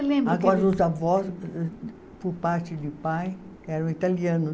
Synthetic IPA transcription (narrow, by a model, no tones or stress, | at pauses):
lẽmbɾaʊɡɔɾɐʊzavɔs | poɾpaɾt͡ʃɪd̪ɪpaj | ɛɾɐ̃w̃it̪aliɐ̃nʊ